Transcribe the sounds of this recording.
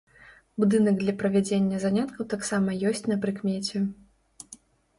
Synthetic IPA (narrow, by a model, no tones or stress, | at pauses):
bud̪ɨnɐɡd̪lʲɐpɾɐvʲɛd͡zʲenʲːɐzanʲat̪kʰɐwt̪aksamɐjɔsʲt͡sʲnɐpɾɨkmʲet͡sʲɛ